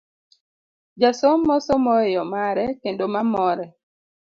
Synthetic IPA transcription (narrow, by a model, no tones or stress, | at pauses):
d͡ʒasomːɔsɔmɔjɔmaɾɛkendomamɔɾɛ